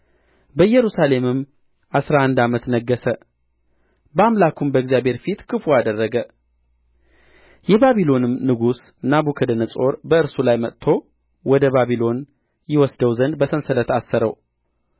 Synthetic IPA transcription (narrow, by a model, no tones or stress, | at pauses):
bəjɛɾusale̞mɨm | ʔasɾahand̪amət̪nəɡːəsə | bəamlakʰumbəɡzijabʱe̞ɾfit̪kʰɨfuad̪ərːəɡə | jɛβaβilo̞nɨmːɨɡusnaβukʰəd̪ənəsʼo̞ɾbəɨɾsulajmət̪t̪ʰːo̞ | wɔd̪əβaβilo̞n | jɪwɔsd̪əwzənd̪̚bəsənsələt̪asːəɾəw